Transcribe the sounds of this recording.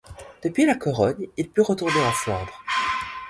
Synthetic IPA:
d̪̥əpɥilakɔʁɔnilpyʁət̪uʁneasɔʁd̪ʁ

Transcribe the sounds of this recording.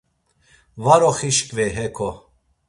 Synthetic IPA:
vaɾɔχiʃkʼvɛɦɛkʰɔ

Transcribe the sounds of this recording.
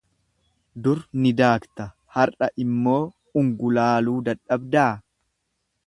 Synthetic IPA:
d̪ʊɾnɪd̪aːkt̪ɐ | hɐɾʔɐʔɪmːo̞ː | ʊŋɡʊlaːluːd̪ɐᶑːɐbd̪aː

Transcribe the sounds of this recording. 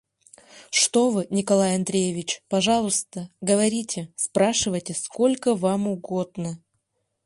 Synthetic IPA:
ʂt̪o̞vɨnʲɪkɐlˠajɐnd̪ɾʲejevʲɪt͡ɕpɐʐɑlˠʊst̪əɡəvɐɾʲitʲɪspɾaʂɨvəjtʲɪsko̞lʲkəvamʊɡo̞d̪nə

